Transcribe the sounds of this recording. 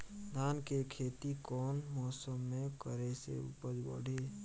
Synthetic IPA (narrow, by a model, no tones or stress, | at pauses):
d̪ʱaːnkekʰeːt̪ikɔːnmɔːsəmːẽkəɾesḛṵpəd͡ʒbə̰ɽ̤ʱe